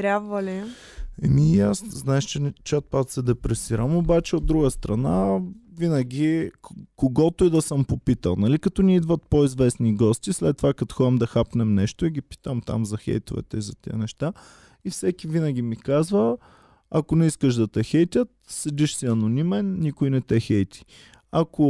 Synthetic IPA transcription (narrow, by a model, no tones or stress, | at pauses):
t̪ɾʲabvəlʲi | ɛmiasznaɛʃt͡ʃɛt͡ʃat̪̚pat̪sɛd̪ɛpɾɛsiɾəmobat͡ʃɛod̪̚d̪ɾuɡəst̪ɾɐnavinəɡʲikoɡɔt̪oid̪ɐsəmpopit̪ə̰lˠnɐlikɐt̪ɔniid̪vət̪̚poizvɛsniɡɔst̪ʲislɛt̪ːovakɐt̪o̥xɔɛmd̪ɐxapnɛmnɛʃt̪ʊiɡʲipi̥t̪əmt̪a̰mzɐxɛ̰jt̪ovɛ̰t̪ɛizɐt̪iənɛʃt̪a | ifsɛkʲivinəɡʲimikazvə | ɐkonɛiskəʃd̪ɐt̪ɛxɛjt̪ʲət̪sɛd̪iʃsiɐnonimɛnːikʊjnɛt̪ɛxɛjt̪i̥ | ako